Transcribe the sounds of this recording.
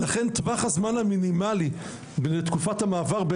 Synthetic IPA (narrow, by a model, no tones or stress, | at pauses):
laχe̞nt̪baχhazmanhaminimali | benetkufathamaːvaʁbe